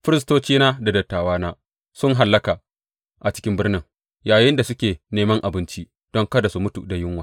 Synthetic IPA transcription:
ɸɪ˦ɾɪ˦s̬toː˦t͡ʃiː˦naː˦da˨dɐ˨tːaː˨waː˦naː˦ | sʊ˦ŋɦa˨lːɐ˦kaː˨ | ʔa˨t͡ʃɪ̥˦kʲɪ˦mbɪ˦rnɪ˦ŋ | jaː˨jɪ˦nda˨sʊ˦kʲeː˨neː˨mɐ˦ŋʔa˨bɪ˦nt͡ʃi˦ | d̥ɔ˦ŋkɐ˦da˨su˨mʊ˦tu˨da˨jɪ˦ŋwaː˨

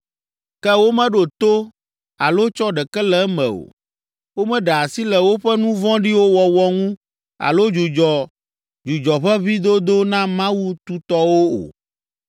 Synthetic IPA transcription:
kɛ˦wo˦mɛ̃˦ɖo˨t̪o˦ | a˨lo˦t͡ʃɔ˦ɖɛ˨kɛ˦lɛ˦mɛ̰̃˨o̰˨ | wo˦mɛ̃˦ɖɛ˨a˨si˦lɛ˨wo˦ɸɛ˦nũ˦vɔ̃˦ɖi˦wo˦wɔ˨wɔ˦ŋũ˦ | a̰˨lo˦d͡ʒu˨d͡ʒɔ˨ | d͡ʒu˨d͡ʒɔ˨ɸɛ˦βi˦d̪o˦d̪o˦nã˦mã˦wu˦t̪u˦t̪ɔ˦wo˦o̰˨

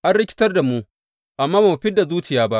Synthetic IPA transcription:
ʔa˦nɽɪ˦kʲɪ̥˦tɐ˦rda˨mu˦ʔ | ʔa˨mːaː˦ba˨u˨ɸɪ˦dːa˨zuː˦t͡ʃɪ˨jaː˦ba˦ʔ

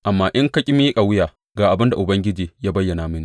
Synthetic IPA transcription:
ʔa˨mːaː˦ʔɪ˦ŋkɐ˦kʲʼɪ˦mɪ˦kʼa˨wʊ˦jaː˨ | ɡaː˨ʔa˨bɪ˦nda˨ʔʊ˨bɐ˦ŋɡʲɪ˦d͡ʒiː˨jaː˦bɐ˦jːɐ˨naː˨mɪ˦ni˦

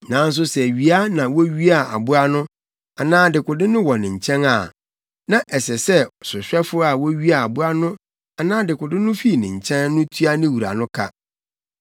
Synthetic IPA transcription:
nã˨n̩˦s̬ʊ˦sɛ˨ɥi˨a˦nã˨wɔ˦ɥi˦a˨a̰˨bʊ˦a˦nʊ̃˦ | a˨nãː˦dɪ˨kʊ˨dɪ̃˦nʊ̃˦wɔ˨nɪ̃˨ɲ̩˨t͡ɕʰɛ̃˦na˨ | nã˦ʔɛ˨sɛ˨sɛ˦sʊ˨ɕᶣɛ˦fʊ˦a˨wɔ˦ɥi˦a˨a˨bʊ˦a˦nʊ̃˦ | a˨nãː˦dɪ˨kʊ˨dɪ̃˦nʊ̃˦fi˦˨nɪ̃˨ɲ˨t͡ɕʰɛ̃˦nːʊ̃˦tʰu˦a˦nɪ̃˦wu˨ɾa̰˨nʊ̃˦kʰa̰˦

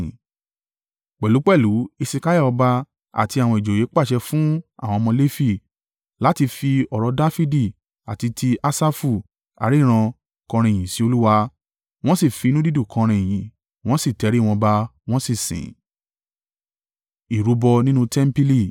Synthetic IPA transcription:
k͡pɛ˨lu˨˦k͡pɛ˦˨lu˨˦i˧si˧ka˦ja˦˨ɔ˧ba˧ | a̰˨ti˧a˨w̃ɔ̃˧i˨d͡ʒo˨je˨˦k͡pa˦˨ʃɛ˧fũ˦a̰˦˨w̃ɔ̃˧mɔ̃˧le˦fi˧˨ | la˨˦ti˧fi˧ɔ˨ɾɔ˨˧da˦fi˦di˦˨ | a̰˨ti˧tʰi˧a˦sa˦fu˧˨ | a̰˨˦ɾi˦˨ɾ̃ã˧ | kɔ̃˧ɾ̃ĩ˧e˨j̃ĩ˨si˨˦o˧lu˦wa˧ | w̃ɔ̃˦si˦˨fi˧nũ˦di˦du˦˨kʰɔ̃˧ɾ̃ĩ˧e˨j̃ĩ˨ | w̃ɔ̃˦si˦˨tɛ˨˦ɾi˦˨w̃ɔ̃˧ba˧w̃ɔ̃˦si˦˨sḭ̃˨ | i˨ɾu˨˦bɔ˧nĩ˦nũ˦tɛ˦m˦pi˦li˦˨

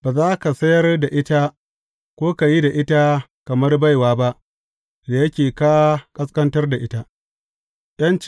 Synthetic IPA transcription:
baː˨zaː˦ka˨sɐ˦jɐ˦rda˨ʔɪ˦ta˦ | kʷoː˦ka˨ji˦da˨ʔɪ˦ta˦kɐ˨mɐ˦rba˦jwaː˦ba˦ʔ | da˨jɐ˦kʲeː˨ka˦kʼɐ˦skɐ˦ntɐ˦rda˨ʔɪ˦ta˦ | j̰ɐ˦nt͡ʃ

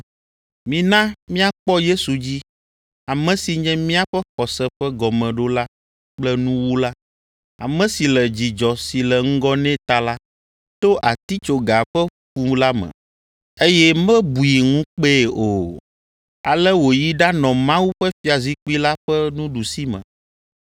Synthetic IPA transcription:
mĩ˨nã˦mĩ˦a˨k͡pɔ˦je˦su˨d͡ʑi˦ | a˨mɛ̃˨si˨ɲɛ̃˦mĩ˦a˦ɸɛ˦xɔ˨sɛ˦ɸɛ˦ɡɔ˨mɛ̃˨ɖo˦la˦ | k͡plɛ˦nũ˦wu˦la˦ | a̰˨mɛ̃˦si˨lɛ˨d͡ʑi˨d͡ʒɔ˨si˨lɛ˨ŋ̩˦ɡɔ˦nɛ̃˦t̪a˦la˦ | t̪o˦ʔa˨t̪i˦t͡ʃo˨ɡa˨ɸɛ˦ | ɸu˦la˦mɛ̰̃˨ | e˦jɛ˦mɛ̃˦bu˨ji˨ŋũ˦k͡pe˦˨o˨ | a˨lɛ˦wo˨ji˦ɖa˦nɔ̃˨mã˦wu˦ɸɛ˦fi˦a˨zi˦k͡pu˦i˦la˦ɸɛ˦nũ˦ɖu˨si˦mɛ̰̃˨

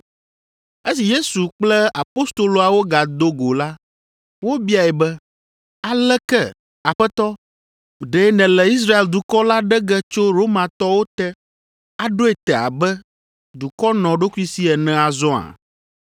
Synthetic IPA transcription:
e˦si˨je˦su˨k͡plɛ˦a˨po˦st̪o˨lo˨a˨wo˦ɡa˨d̪o˦ɡo˨la˦ | wo˦bi˦a˨ɛ˨bɛ˦ | a˨lɛ˦kɛ˦˨ | a˨ɸɛ˦t̪ɔ˦ | ɖɛ˨˦nɛ̃˨lɛ˨i˦s̬ɾa˦e˨ld̪u˨kɔ˦la˦ɖɛ˦ɡɛ˦t͡ʃo˦ɾo˦mã˨t̪ɔ˦wo˦t̪ɛ˦ | a˨ɖo˦ɛ˨t̪ɛ˨a̰˨bɛ˦ | d̪u˨kɔ˦nɔ̃˨ɖo˦kʷu˦i˦si˦ɛ˨nɛ̃˦a˨zɔ̃˦a̰˨

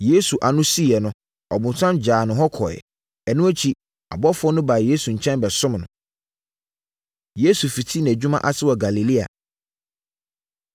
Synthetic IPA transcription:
je˦su˨ʔa˨nʊ̃˦si˦˨ɛ˨nʊ̃˦ | ɔ˨bʊ̃˨nsʰã˦nd͡ʑaː˨nʊ̃˨ɦɔ˦kʰɔ̰˨ɛ̰˨ | ɛ˨nʊ̃˦æ˦t͡ɕʰi˦ | a̰˨bɔ˦fʊ˦ɔ˦nʊ̃˦ba˨je˦su˨ɲ̩˨t͡ɕʰɛ̃˦nbɛ˨sʊ̃˦mnʊ̃˨ | je˦su˨fi˨tʰi˦ñ˨æ˨d͡ʑᶣu˦mã˦ʔa˦sɪ˦wɔ˨ɡa˨li˨li˦a̰˨

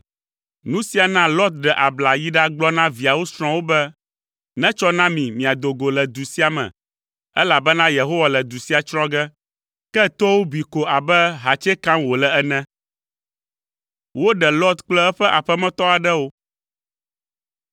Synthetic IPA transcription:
nũ˦si˨˦a˨nã˦lɔ˦t̪̚ɖɛ˨ʔa˨bla˨ji˦ɖa˦ɡ͡blɔ˦nã˦vi˨a˨wo˦sɾ̃ɔ̃˦wo˦bɛ˦ | nɛ̃˦t͡ʃɔ˦nã˦mĩ˨mĩ˨a˨d̪o˨ɡo˨lɛ˨d̪u˨si˦a˨mɛ̰̃˨ | ɛ˦la˨bɛ˦nã˦je˨ɦo˦wa˨lɛ˨d̪u˨si˦a˨t͡ʃɾɔ̃˦ɡɛ˦ | kɛ˦t̪ɔ˦wo˦bi˨ko˨a˨bɛ˦ɦa˨t͡ʃɛ˦kã˦mwo˨lɛ˨ɛ˦nɛ̃˦ | wo˦ɖɛ˨lɔ˦t̪k͡plɛ˦ɛ˦ɸɛ˦ʔa˨ɸɛ˦mɛ̃˦t̪ɔ˦a˨ɖɛ˦wo˦

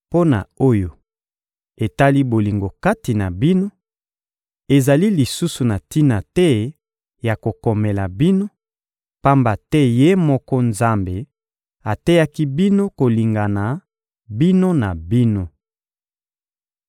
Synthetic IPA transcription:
po˦na̰˨o˦jo˨ | e˨ta˦li˦bo˨li˨ŋɡo˨ka˦ti˨na˨bi˦no˦ | e˨za˨li˦li˨su˦su˨na˨ti˦na˨tɛ˦ | ja˨ko˨kɔ˨mɛ˨la˨bi˦no˦ | pa˦mba˨tɛ˦je˦mɔ˦kɔ˦nza˦mbe˨ | a˨te˦ja˦ki˦bi˦no˦ko˨li˨ŋɡa˨na˨ | bi˦no˦na˨bi˦no˦

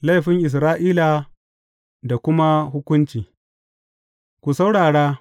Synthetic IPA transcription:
la˦jɸɪ˦ŋʔɪ˨s̬ɾaː˦ʔiː˦la˨ | da˨kʷʊ˦ma˦ɦʊ˦kʷʊ˦nt͡ʃiː˨ | kʷu˨sa˦wɽaː˨ɽaː˦

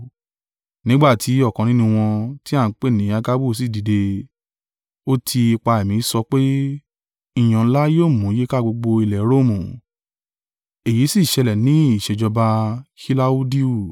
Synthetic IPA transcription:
nĩ˦ɡ͡ba˦˨tʰi˨˦ɔ˦˨kɔ̃˨nĩ˨˦nũ˧w̃ɔ̃˧ti˦a˦˨n̩˦k͡pe˦˨nĩ˨˦a˧ɡa˦bu˦˨s̬i˦˨di˨de˧ | o˦tʰi˧i˧k͡pa˧e˨mĩ˨˦sɔ˧k͡pe˦ | i˦˨j̃ã˨˦la˦joː˦˨mũ˨˦je˦ka˦˨ɡ͡bo˧ɡ͡bo˧i˧lɛ˨˦ɾo˦˨mũ˨ | e˨ji˨˦si˦˨ʃɛ˧lɛ˨nĩ˨˦i˦˨ʃɛ˨d͡ʒɔ˧ba˧hi˦la˦u˦di˦u˦˨

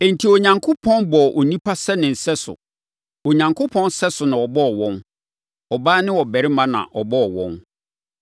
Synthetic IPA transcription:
ɛ̃˨n̩˨tʰi˨o˨ɲã˨ŋkʰʊ˦pʰɔ̃˦nbɔ˨ʔo˨nĩ˦pʰa˦sɛ˦nɪ̃˨n̩˨sɛ˦sʊ̰˨ | o˨ɲã˨ŋkʰʊ˦pʰɔ̃˦nsɛ˦sʊ˨nã˨ɔ˨bɔ˦ɔ˨wɔ̃˦n | ɔ˨baː˦nɪ̃˦wɔ˨bɛ˨ɾɪ˦mã˦nã̰˨ʔɔ˨bɔ˦ɔ˨wɔ̰̃˦n

